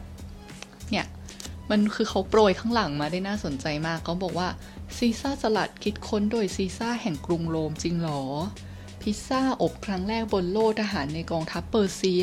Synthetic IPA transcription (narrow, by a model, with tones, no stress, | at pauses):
ni˥˩ɐ | ma˧nkʰɯː˧kʰa˦˥wpɾoː˧jkʰaː˦˥ŋla˩˦ŋmaː˧daː˥˩jnaː˥˩so˨˩˦nt͡ɕa˧jmaː˥˩kʰːa˦˥wbɔː˨˩k̚waː˥˩ | siː˧˥saː˥˩sa˧la˨˩t̪̚kʰi˦˥t̪̚kʰo˦˥ndoː˧jsiː˧˥saː˥˩hɛ˨˩ŋkɾu˧ŋloː˧mt͡ɕi˧ŋlɔː˩˦ | pʰi˦˥saː˥˩ʔo˨˩kʰɾa˦˥ŋɾɛː˥˩k̚bo˧nloː˥˩k̚t̪ʰa˧ɦaː˩˦nːa˧jkɔː˧ŋt̪ʰa˦˥pːɤː˧siː˧